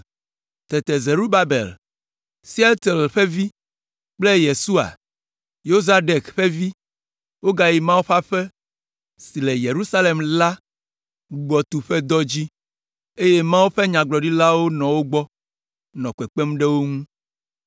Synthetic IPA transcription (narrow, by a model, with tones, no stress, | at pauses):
t̪ɛ˨t̪ɛ˨ze˨ɾu˦ba˦bḛ˨l | si˦e˦t̪e˨lɸɛ˦vi˦ | k͡ple˦je˨su˦a̰˨ | jo˦za˦ɖe˨kɸe˦vi˦ | wo˦ɡa˦ji˨mã˦wo˦ɸa˦ɸɛ˦ | si˨le˨je˨ɾu˦sa˦le˨mla˦ | u˨ɡ͡bɔ˨t̪u˨ɸɛ˦d̪ɔ˦d͡ʑi˦ | e˦je˦mã˦wo˦ɸɛ˦ɲã˨ɡ͡blɔ˨ɖi˦la˦wo˦nɔ̃˨wo˦ɡ͡bɔ˦ | nɔ̃˨kɛ˨k͡pe˦m˦ɖe˦wo˦ŋũ˦